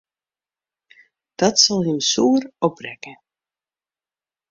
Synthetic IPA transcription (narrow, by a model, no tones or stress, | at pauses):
d̥ɑtsɑlˠɦəmsuːərɔprɛkə